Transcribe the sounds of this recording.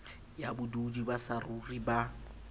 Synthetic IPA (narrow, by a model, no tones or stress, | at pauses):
jabʊdudibasaruriba